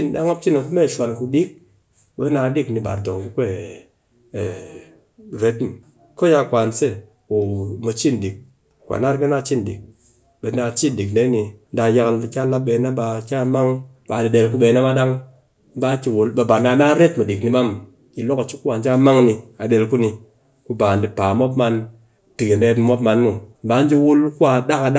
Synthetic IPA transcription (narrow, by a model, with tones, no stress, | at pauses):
i˦n˨da˦ŋa˦t͡ʃi˦no˨ku˦me˦˨ʃʷa˨lku˧ɗi˦k̚ | ɓe˦na˧˦di˦kni˧ɓa̰˨ɾto˨ŋ˨ku˦kʷe˦˨ | ɾe˦tni˨ | ko˦ja˦˨kʷa˨nse˦ | o˨ma˨t͡ʃi˦n˨di˨k̚ | kʷa̰˨na˦ɾke˦na˦˨t͡ʃi˦n˨dḭ˨k̚ | be˨na˧˨t͡ʃi˦n˨di˨kde˦ni˧n˦da˧ja˧klkʲa˦la˦ɓe˧na˦ɓa˧kʲa˦ma˦ŋ˦ | ɓa˨di˨ɗe˧lku˦ɓe˧˦na˦ma˦ɗa˦ŋ | m̩˦ba˦ki˧wu˨lɓe˨ba˨na˧˦na˦ɾe˦tmu˨di˨kni˧ɓa˦m | ki˨lo˦ka˨t͡ʃi˦kːu˦wa˨nt͡ʃa˦˧˦ma˦ŋni˧a˨ɗe˧lku˦ni˧ | ku˧ba˨ndi˨pa˨mo˦pma˧n | ti˨ki˨n˦e˨˦tmo˦pma˧nmu˨m˦ba˨˦n˦d͡ʒi˦wu˦lku˦a˧ɗa˦ka˧ɗa˦